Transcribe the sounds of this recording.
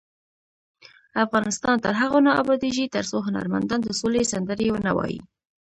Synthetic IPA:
afɣɑnɪst̪ɑnt̪əɾɦaɣonɑa̰bɑd̪iʒit̪əɾsoɦʊna̰ɾma̰nd̪ɑnd̪əsolesand̪əɾewənawɑ̰jḭ

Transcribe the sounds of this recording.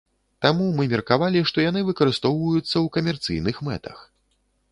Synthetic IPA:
t̪amumɨmʲɛrkavalʲiʂt̪ɔjanɨvɨkɐɾɨst̪ɔwvɐjut̪sːɐwkɐmʲɛrt̪sɨ̰jnɨxmɛ̰t̪ɐ̰x

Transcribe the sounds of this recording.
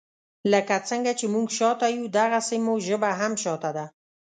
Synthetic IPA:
ləkat͡səŋɡat͡ʃemuɡʃɑt̪ajud̪aɣasimoʒəbaɦamʃɑt̪ad̪a

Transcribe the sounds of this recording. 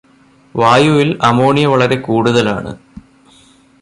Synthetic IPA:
ʋaːjuʋilɐmoːɳijɐʋɐɭɐɾe̞kuːɽuðɐla̰ːɳɨ̰

